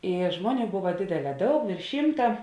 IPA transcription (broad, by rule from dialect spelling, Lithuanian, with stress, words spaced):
ɪ ˈʒmoːˌnʲuː ˈbʊʋɐ ˈdʲeːdʲɛˌlʲɛː ˈdɐʊk ʋʲeːrʃ ˈʃʲiːmtɐ